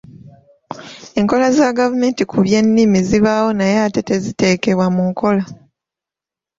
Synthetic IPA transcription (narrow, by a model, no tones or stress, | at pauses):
e̞ŋko̞lazaɡavume̞ːntikʰuβje̞nːimiziβawo̞najeate̞te̞zite̞ːke̞βwamuŋko̞la